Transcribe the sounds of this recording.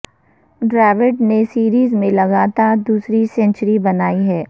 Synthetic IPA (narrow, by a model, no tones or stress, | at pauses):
ɖɾɛːʋɪʈnesiːɾiːzmẽlɐɡaːt̪aːɾd̪uːsɾisɛ̃nt͡ʃəɾibɐnaːiɦɛː